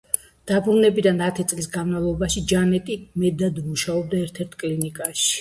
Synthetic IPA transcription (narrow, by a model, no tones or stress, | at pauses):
d̪̥abɾunɛbid̪anat̪ʰit̪sʼlisɡanmavlˠɔbaʃid͡ʒanɛt̪ʼimɛd̪ad̪muʃaɔb̚d̪aɛɾt̪ʰɛɾt̪ʰkʼlinikʼaʃi̥